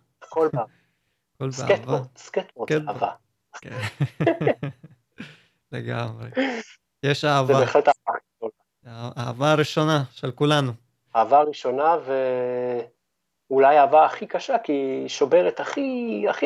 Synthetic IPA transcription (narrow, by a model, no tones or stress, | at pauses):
ekolba | kolbsaket̪vot̪sket̪botaava | ke | lḛɡamʁe | jeʃaavzabeːχletaavaχʃona | aa̰vaʁiʃo̞naʃelkulanu | aavaʁiʃo̞nave | ulajavaːχikaʃakiʃobeʁet̪aχiaχi